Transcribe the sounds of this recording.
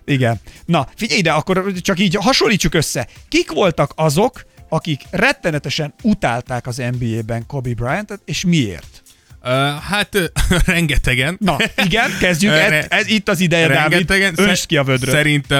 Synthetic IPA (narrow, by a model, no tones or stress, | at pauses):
iɡɛnːɒfiɟɛjd̪ɛɒkːo̞ɾt͡ʃɒkiːɟɦɒʃolːiːt͡ʃːukø̞sːɛkikʋo̞lt̪ɒkɒzo̞kɒkikrɛt̪ːɛnɛt̪ɛʃɛnut̪aːlt̪aːkɒzɛmbiːeːbɛŋko̞bibrajɛnt̪ɛt̪eːʃmiḛːrt̪ː | hat̪rɛŋɡɛt̪ɛɡɛnnɒiɡɛnkɛzɟykɛɛzit̪ːɒzid̪ɛjɛd̪aːvid̪ɛɡɛnønʃkiɒvød̪røsɛɾint̪ɛ